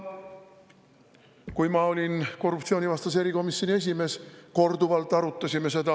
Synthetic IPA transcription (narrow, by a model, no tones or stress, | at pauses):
kuimɑːo̞lʲinko̞rːupt̪sio̞ːnivɑst̪ɑseɾiko̞misːonie̞sʲime̞ːsko̞rd̪uʋɑlt̪ːˑɑɾut̪ːɑsʲimːeset̪ɑ